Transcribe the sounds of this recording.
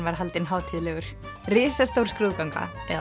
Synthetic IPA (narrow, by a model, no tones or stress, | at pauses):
nvaɾ̥ɦalt̪ɪnɦaːwt̪ʰiːðlɛɣʏɾ̥ | rɪːsast̪owɾ̥skɾuːðkawŋka̰